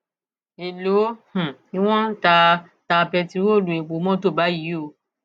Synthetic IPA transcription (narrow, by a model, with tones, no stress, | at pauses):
e˨lo˨˦hũ˨i˧˦w̃ɔ̃˦ta˧˦ | ta˧pɛ˧ti˧˦wo˦˨lũ˨ĩ˨k͡po˨˦mɔ̃˦to˦˨ba˨˦ji˨˦o˧